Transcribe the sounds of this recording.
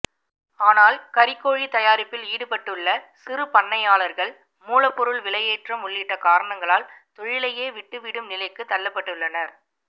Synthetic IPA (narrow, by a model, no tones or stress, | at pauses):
aːnaːlkɐɾɪkːoːɻit̪ɐjaːɾɪpːɪliːɽɯpɐʈːɯɭːɐsɪrɯpɐɳːɐjaːɭɐɾɣɐɭ | muːlɐpːɔɾɯɭʋɪlɐjeːʈrɐmʊɭːɪʈːɐkaːɾɐɳɐŋɡɐɭaːlt̪ɔɻɪlɐjeːʋɪʈːɯʋɪɽɯmnɪlɐɪkːɯt̪ːɐɭːɐpːɐʈːɯɭːɐnɐɾ